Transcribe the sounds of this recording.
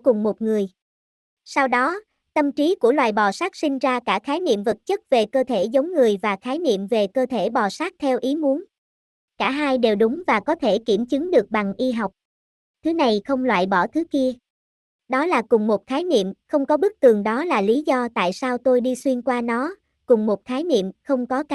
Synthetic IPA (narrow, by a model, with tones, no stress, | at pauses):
kʊ˨˩ŋ͡mmo˨˩t̚ŋɨ˨˩əj | saː˧wɗɔ˨˦ | t̪ə˧˩mt͡ɕi˨˦ku˧˩əlwa̰ː˧˨jɓɔ˨˩saː˦˥k̚sï˧ŋ̟zaː˧kaː˧˩xaː˨˦jnḭ˧˨əmvə˨˩t̚t͡ɕə˦˥t̚ve˨˩kəː˧t̪ʰe˧˩zə˨˦wŋ͡mŋɨ˨˩əjvaː˨˩xaː˨˦jnḭ˧˨əmve˨˩kəː˧t̪ʰe˧˩ɓɔ˨˩saː˦˥k̚t̪ʰɛ˧wʔi˨˦mu˨˦ən | kaː˧˩ɦaː˧jɗe˨˩wɗʊ˨˦ŋ͡mvaː˨˩kɔ˨˦t̪ʰe˧˩ki˧˩əmt͡ɕɨ˨˦ŋɗɨ˨˩ək̚ɓa˨˩ŋʔi˧ɦa˨˩wk͡p̚ | t̪ʰɨ˨˦na˨˩jxə˧wŋ͡mlwa̰ː˧˨jɓɔ˧˩t̪ʰɨ˨˦ki˧ə | ɗɔ˨˦laː˨˩kʊ˨˩ŋ͡mmo˨˩t̚xaː˨˦jnḭ˧˨əmxə˧wŋ͡mkɔ˨˦ɓɨ˦˥k̚t̪ɨ˨˩əŋɗɔ˨˦laː˨˩li˨˦zɔ˧t̪a̰ː˧˨jsaː˧wt̪o˧jɗi˧swi˧ənkwaː˧nɔ˨˦ | kʊ˨˩ŋ͡mmo˨˩t̚xaː˨˦jnḭ˧˨əmxə˧wŋ͡mkɔ˨˦